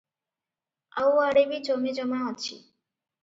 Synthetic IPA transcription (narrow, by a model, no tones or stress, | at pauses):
a̰waɽebid͡ʒomed͡ʒɔmaɦɔt͡ʃʰḭ